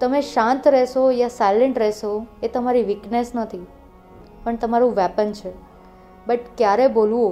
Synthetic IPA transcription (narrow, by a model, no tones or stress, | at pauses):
t̪əmeʃãnt̪ɾɛʃojasajleɳʈɾɛɦʃoet̪əmaɾiʋiknesnət̪ʰi | pəɳt̪əmaɾũʋɛpənt͡ʃʰe | bəʈkjaɾebolũo